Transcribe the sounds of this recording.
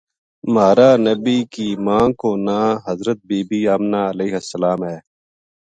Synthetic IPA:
maːɾaːnəbiːkiːmãːkoːnãːɦɐzɾət̪̚biːbiːaːmnaːəleiɦəsəlaːmɦɛː

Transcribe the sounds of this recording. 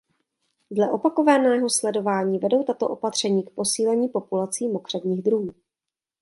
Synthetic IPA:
dlɛʔo̞pako̞vanɛːɦo̞slɛdo̞vaːɲiːvɛdo̞wt̪at̪o̞̰ʔo̞pat̪r̝̥ɛɲiːkpo̞siːlɛɲiːpo̞pulat͡siːmo̞kr̝̥ɛbɲiːɣd̪ɾumuː

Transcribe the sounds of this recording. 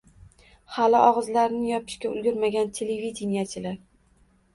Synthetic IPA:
halɪʔɒʁɨzlaɾɪnɪjɒpʰɪ̥ʃkʲaʊ̰lɡʲʊɾmaɡʲant̪ʲʰelevid̪ʲenijat͡ʃʰɪlaɾ

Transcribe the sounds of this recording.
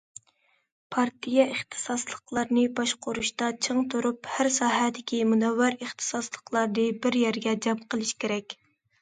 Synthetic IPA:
pʰɑɾt̪ʰijɛʔeχt̪ʰɨ̥sɑslˠəqlˠɑɾnɨbɑʃqʰʊɾuʃt̪ɑt͡ʃʰəŋt̪ʰoɾuphæɾsɑːɦɛd̪ɪkʲʰimunɑwːɑɾəχt̪ʰɨ̥sɑslˠəqlˠɑɾnɨbɪɾjɛɾɡʲɛd͡ʒɑmqəlˠɪʃkʲeɾɛkʲ

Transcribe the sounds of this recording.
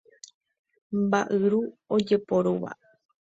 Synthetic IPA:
mbaʔɨɾuod͡ʒe̞poɾoʋa̰

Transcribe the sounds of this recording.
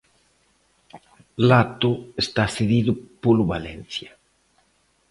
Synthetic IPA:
lat̪uest̪aseðiðupuluβalenθja

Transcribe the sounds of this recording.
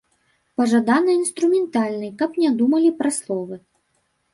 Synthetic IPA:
pɐʐad̪anɐinst̪ɾumʲɛnt̪alʲnɨjkɐpnʲɛd̪umɐlʲipɾɐslˠɔvɨ

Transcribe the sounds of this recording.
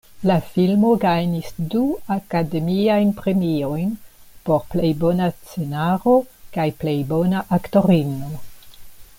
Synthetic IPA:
lafilmo̞ɡajnisduakade̞miajnpɾe̞miojnpo̞ɾplejbo̞nast͡se̞naɾo̞kajplejbo̞naʔakto̞ɾino

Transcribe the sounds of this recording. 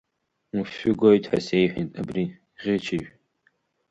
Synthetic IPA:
nufʊɡojtʰʼħa̰sejħʷᶣitʼabri | ʁʲɪt͡ʃʰeʒᶣ

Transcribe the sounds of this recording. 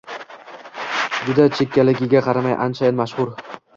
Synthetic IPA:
d͡ʒʊd̪at͡ʃʰekʲːalɪɡʲɪɡʲaqʰɑɾamajʔa̰nt͡ʃʰajɪnmaʃχʊɾ

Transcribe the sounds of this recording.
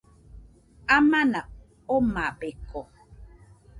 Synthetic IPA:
amana | omabeko

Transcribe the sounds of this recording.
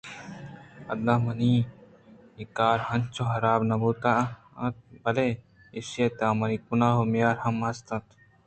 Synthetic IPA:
ɐd̪amɐni | ikaːɾhɐnt͡ʃʰoɦɐɾaːbnɐbuːt̪a | ɐt̪̚bɐle | isijet̪ãːmɐnikunaːɦomjaːɾhɐmɐst̪ɐ̃t̪

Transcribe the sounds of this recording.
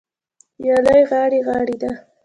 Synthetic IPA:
jɑlajɣɑɽeɣɑɽid̪a

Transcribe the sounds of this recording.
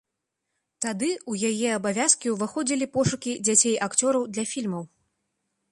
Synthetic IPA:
t̪ad̪ɨujajɛɐbavʲaskʲiwvɨxɔd͡zʲilʲipɔʂukʲid͡zʲat͡sʲejʔakt͡sʲɔɾɐwd̪lʲɐfʲilʲmɐw

